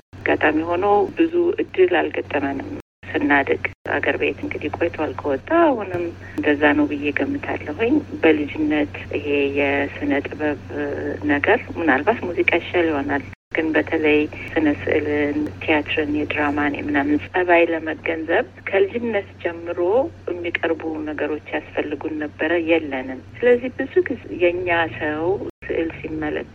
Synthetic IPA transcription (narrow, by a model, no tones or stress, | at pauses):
ɡa̰t̪ʼamiho̞nəwbɨzuʔɨd̪ːɨlalɡət̪ʼːəmənɨm | sɨnːad̪ɨɡa̰ɡə̰ɾbe̞̰t̪ʰɨŋɡɨd̪ikʼojt̪ʰalkʰəwɔt̪ʼːahunɨm | nd̪əzːanəwbɨjeɡəmːɨt̪ʰa̰lːəɦuɲbəlɨd͡ʒɪnːət̪ʔihe̞jɛsɨnət̪ʼɨβəβnəɡəɾmɨnalbat̪muzikʼat͡ʃaliho̞nal | ɡ̥ɨnbət̪ʰələjsɨnəsɨ̰ʔlɨnt̪ʰejat̪ʰɾɨnjɛd̪ɾaman̰mɨnamɨnsʼəβajləməɡənzəβ | kʰəlɨd͡ʒɪnːət̪d͡ʒɛmːɨɾo̞jɛmːikʼəɾbunəɡəɾo̞t͡ʃːjasfəlːɨɡunːəbːəɾəjɛlːənɨmsɨləzːihbɨzukjɛɨɲːasəwsɨ̰ʔɨlsimːələ̰k